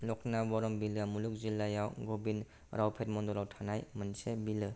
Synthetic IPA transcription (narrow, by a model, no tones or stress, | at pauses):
lɔk̚nabɔɾɔmbilɯmuluk̚zilːajawɡɔbin | ɾʔawpʰet̚mɔndɔɾawtʰanajmɯnsebilɯ